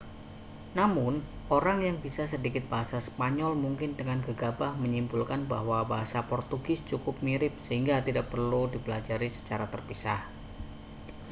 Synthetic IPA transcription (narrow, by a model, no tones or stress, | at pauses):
namʊnʔoɾaŋjaŋbisas̬ədikɪt̪̚b̥aɦasasə̥paɲɔlmuŋkɪndəŋanɡəɡabahməɲimbulkanbahwabaɦasapɔrt̪uɡɪst͡ʃukʊp̚miɾɪp̚səɦiŋɡat̪idaʔ̚pərludibəlad͡ʒaɾisə̥t͡ʃaɾat̪ərpisa̰h